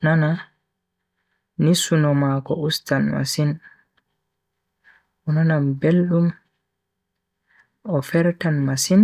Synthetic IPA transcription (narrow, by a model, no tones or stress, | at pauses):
nana | nisunɔmakɔustanma̰sin | ʔɔnanambelɗum | ɔfɛɾtanmasin